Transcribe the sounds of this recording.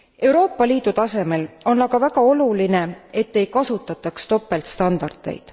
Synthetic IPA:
e̞wɾo̞ːpːˑɑliːd̪̥ut̪ɑse̞me̞lo̞nɑɡɑvæɡ̥ɑo̞luline̞e̞t̪ːe̞jkɑsut̪ːˑɑt̪ːˑɑkst̪o̞pːˑe̞lt̪st̪ɑnd̪̥ɑrd̪̥e̞̰jd̪̥

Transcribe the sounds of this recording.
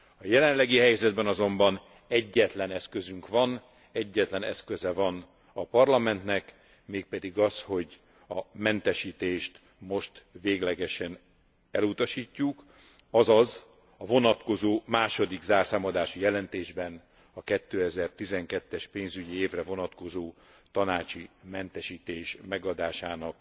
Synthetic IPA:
ɒjɛlɛnlɛɡiɦɛjzɛd̪bɛnɒzo̞mbɒn | ɛɟːɛt̪lɛnɛskø̞zyŋkʋɒn | ɛɟːɛt̪lɛnɛ̰skøzɛvɒn | ɒpɒrlɒmɛnt̪nɛk | meːk̚pɛd̪iɡɒsho̞ɟ | ɒmɛnt̪ɛʃiːt̪eːʃt̪ | mo̞ʃt̪veːɡlɛɡɛʃɛn | ɛlut̪ɒʃiːcːuk | ɒzɒz | ɒvo̞nɒt̪ko̞zoːmaːʃo̞d̪iɡzaːrsaːmɒd̪aːʃijɛlɛnt̪eːʒbɛn | ɒkɛt̪ːøːɛzɛrt̪izɛŋkɛt̪ːɛʃpeːnzyɟieːvrɛvo̞nɒt̪ko̞zoː | t̪ɒnaːt͡ʃimɛnt̪ɛʃiːt̪eːʃmɛɡɒd̪aːʃaːnɒk

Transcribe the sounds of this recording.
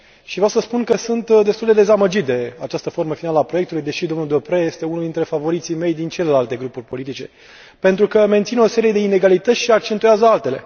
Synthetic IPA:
ʃivɾawsəspunkəsunt̪d̪e̞st̪uld̪e̞d̪e̞zaməd͡ʒit̪̚d̪e̞at͡ʃast̪əfo̞rməfinaləapɾo̞jekt̪ulujd̪e̞ʃid̪o̞mnuld̪o̞pɾeje̞st̪e̞unuld̪int̪ɾe̞favo̞ɾit̪sime̞jd̪int͡ʃe̞le̞lalt̪e̞ɡɾupurʲpo̞lit̪it͡ʃe̞̰ | pe̞nt̪ɾukəme̞nt̪sino̞se̞ɾije̞d̪e̞ine̞ɡalit̪ət̪sʲʃiak̚t͡ʃe̞nt̪ujazəalt̪e̞le̞̰

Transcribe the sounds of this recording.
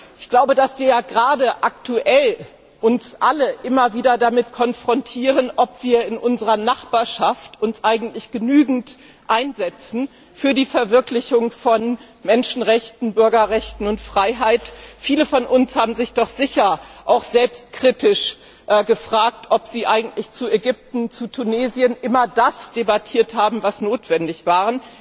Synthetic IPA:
ʔɪ̥çɡ̥laʊbədasv̥iːɐjaːɡʁaːdəʔak̚tʰuʔɛl | ʔʊnsʔaləʔɪmɐviːdɐdamɪtkʰɔnfʁ̥ɔntʰiːʁənʔɔpv̥iːɐɪnʔʊnzəʁɐnaχb̥aːɐʃaftʊnsʔaɪɡŋ̩tlɪçɡ̥ənyːɡŋ̩t | ʔaɪnzɛt͡sn̩ | fyːɐdiːfɛɐvɪɐklɪçʊŋfɔn | mɛnʃn̩ʁɛçtn̩bʏɐɡɐʁɛçtn̩ʊntfʁ̥aɪɦaɪtfiːləfɔnʔʊnshaːbm̩zɪçd̥ɔχz̥ɪçɐʔaʊxz̥ɛlpst̚kʁ̥itʰɪʃ | ʔɡəfʁ̥aːk̚tʰʔɔpz̥iːʔaɪɡŋ̩tlɪçt͡sueɡʏp̚tn̩t͡sutʰuneːziənʔɪmɐdasd̥ebatʰiːɐthaːbm̩vasnoːtv̥ɛndɪçv̥aːʁən

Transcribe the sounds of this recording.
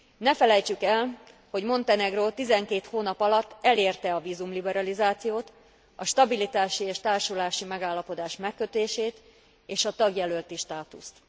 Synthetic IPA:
nɛfɛlɛjt͡ʃykɛl | ho̞ɟmo̞nt̪ɛnɛɡroːt̪izɛŋkeːt̪hoːnɒpɒlɒt̪ːɛleːrt̪ɛɒviːzumlibɛɾɒlizaːt̪sijoːt̪ | ɒʃt̪ɒbilit̪aːʃieːʃt̪aːrʃulaːʃimɛɡaːlːɒpo̞d̪aːʃmɛkːø̞t̪eːʃeːt̪ | eːʃɒt̪ɒɡjɛlølt̪iʃt̪aːt̪ṵst̪

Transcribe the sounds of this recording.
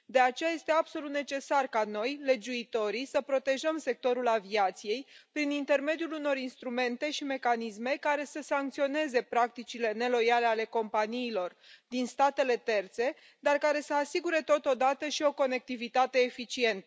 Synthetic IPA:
d̪e̞at͡ʃe̞jaje̞st̪e̞abso̞lut̪ne̞t͡ʃe̞sarkano̞jle̞d͡ʒuit̪o̞ɾisəpɾo̞t̪e̞ʒəmse̞k̚t̪o̞ɾulaviat̪sije̞jpɾinint̪e̞rme̞d̪ijuluno̞ɾinst̪ɾume̞nt̪e̞ʃime̞kanisme̞kaɾe̞səsaŋk̚t̪sio̞ne̞ze̞pɾak̚t̪it͡ʃile̞ne̞lo̞jale̞ale̞ko̞mpanijːlo̞r | d̪inst̪at̪e̞le̞t̪e̞rt̪se̞ | d̪arkaɾe̞səasiɡuɾe̞t̪o̞t̪o̞d̪at̪əʃio̞ko̞ne̞k̚t̪ivit̪at̪e̞ːfit͡ʃie̞nt̪ə

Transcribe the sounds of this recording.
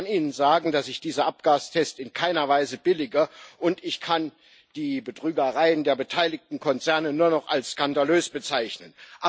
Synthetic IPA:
niːnənzaːɡŋ̩dasɪçd̥iːzɐʔap̚ɡ̥aːstʰɛstɪnkʰaɪnɐvaɪzəbɪlɪɡɐʔʊntɪçkʰan | d̥iːbədʁyːɡɐʁaɪəndeːɐbətʰaɪlɪk̚tn̩kʰɔnt͡sɛɐnənuːɐnɔχa̰lsskandaløːsb̥ət͡saɪçnənʔa

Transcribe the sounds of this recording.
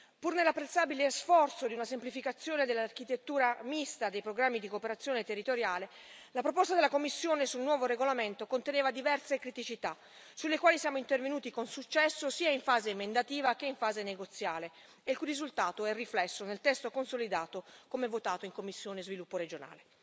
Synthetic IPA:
purnelːapːɾet̪saːbilesfɔrt̪sod̪iunasemplifikat̪sːjoːned̪elːark̟it̪et̪ːuːɾamist̪ad̪ejpɾoɡɾamːid̪ikopeɾat̪sːjoːnet̪erːit̪oɾjaːle | lapɾopɔst̪ad̪elːakomːisːjoːnesulnwɔːvoɾeɡolament̪okont̪eneːvad̪ivɛrsekɾit̪it͡ʃit̪a | sulːekwaːlisjaːmoint̪ervenuːt̪ikonsut͡ʃːɛsːosiːaiɱfaːzeimend̪at̪iːvakeiɱfaːzeneɡot̪sːjaːle | ekurizult̪aːt̪oɛrːiflɛsːonelt̪ɛst̪okonsolid̪aːt̪okomɛvːot̪aːt̪oiŋkomːisːjoːnezvilupːoɾed͡ʒona̰ːle

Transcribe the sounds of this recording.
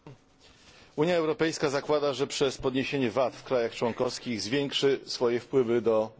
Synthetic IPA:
uɲjaɛwɾɔpɛjskazakwad̪aʐɛpʂɛspɔd̪ɲeɕeɲɛvat̪fkɾajaxt͡ʂwɔŋkɔfskʲiɣzvʲjɛŋkʂɘsfɔjɛfpwɘvɘd̪ɔ

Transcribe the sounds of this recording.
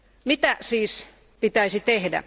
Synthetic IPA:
mit̪æsiːs | pit̪æisit̪ehdæ̰

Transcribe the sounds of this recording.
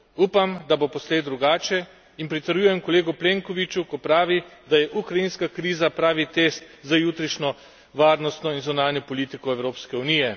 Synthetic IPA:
uːpamd̪abopɔsleːd̪ɾuɡaːt͡ʃɛ | inpɾit̪əɾjujɛmkɔleːɡupleːŋkɔʋit͡ʃukɔpɾaːʋid̪ajɛʔukɾajinskakɾiːzapɾaːʋit̪est̪ | zajut̪ɾiʃnʲɔ | ʋaːɾnɔst̪nɔinzunaːnjɔpɔliːt̪ikɔɛwɾoːpskɛuniːjɛ

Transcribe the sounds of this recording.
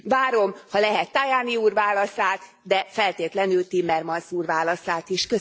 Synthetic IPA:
vaːɾo̞mhɒlɛɦɛt̪ːajaːniuːrvaːlɒsaːt̪ | d̪ɛfɛlt̪eːt̪lɛnylt̪imːɛrmɒnsuːrvaːlɒsaːt̪iʃkø

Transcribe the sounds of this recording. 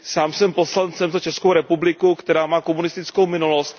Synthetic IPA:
saːmsɛmpo̞slant͡sɛmzat͡ʃɛskowɾɛpublɪkukt̪ɛɾaːmaːko̞munɪst̪ɪt͡sko̞wmɪnulost̪̚

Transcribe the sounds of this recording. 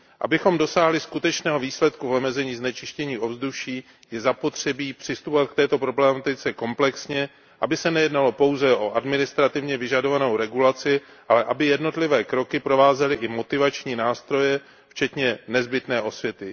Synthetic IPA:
ʔa̰bɪxo̞mdo̞saːɦlɪskut̪ɛt͡ʃnɛːɦo̞viːslɛt̪kuvomɛzɛɲiːznɛt͡ʃɪʃcɛɲiːʔo̞vzduʃiː | jɛzapo̞t̪r̝̥ɛbiːpr̥ɪst̪upovat̪̚kt̪ɛːt̪o̞pɾo̞blɛmat̪ɪt͡sɛko̞mplɛksɲɛ | ʔabɪsɛnɛjɛdnalo̞po̞wzɛʔo̞ʔadmɪnɪst̪ɾat̪ɪvɲɛvɪʒado̞vano̞wɾɛɡulat͡sɪ | ʔalɛʔabɪjɛdno̞t̪lɪvɛːkɾo̞kɪpɾo̞vaːzɛlɪʔɪmo̞t̪ɪvat͡ʃɲiːnaːst̪ɾo̞jɛ | ft͡ʃɛt̪ɲɛnɛzbɪt̪nɛːʔo̞svjɛt̪ɪ

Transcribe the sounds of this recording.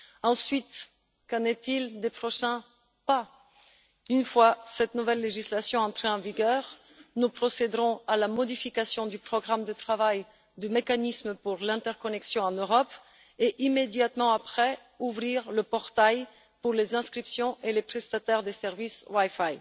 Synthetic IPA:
ɑ̃sɥit̪ | kɑ̃net̪ild̪epχɔʃɛ̃ | pa | ynfwasɛt̪nuvɛlːeʒislasjɔ̃ɑ̃t̪χeɑ̃viɡœʁ | nupχɔsed̪ʁɔ̃alamɔd̪ifikasjɔ̃d̪ypχɔɡʁamd̪ət̪χavaj | d̪əmekanismpuʁlɛ̃t̪ɛʁkɔnɛksjɔ̃ɑ̃nøʁɔp | eʔimed̪jat̪mɑ̃apχɛ | uvʁiʁləpɔʁt̪aj | puʁlezɛ̃skχipsjɔ̃ʔelepχɛst̪at̪ɛʁd̪esɛʁviswajfaj

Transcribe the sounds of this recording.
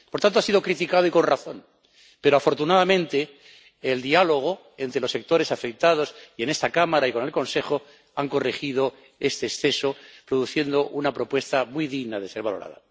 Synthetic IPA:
poɾt̪ant̪oasiðo̞kɾit̪ikaðo̞iko̞nraθo̞n | pe̞ɾoafo̞ɾt̪unaðamẽ̞nt̪e̞ː | ld̪ialo̞ɣ̞o | e̞nt̪ɾe̞lo̞sːek̚t̪o̞ɾe̞safe̞k̚t̪að̞o̞siene̞st̪akamaɾaiko̞ne̞lko̞nse̞xo̞ | aŋko̞rexið̞o | e̞st̪e̞ːsθe̞so̞pɾoðuθje̞nd̪o̞ʔunapɾo̞pwest̪amwujðiɣnað̞e̞se̞ɾβalo̞ɾa̰ða̰

